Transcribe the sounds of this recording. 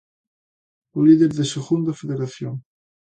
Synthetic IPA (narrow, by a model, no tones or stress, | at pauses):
oliðeɾðeseɣund̪afeðeɾaθjoŋ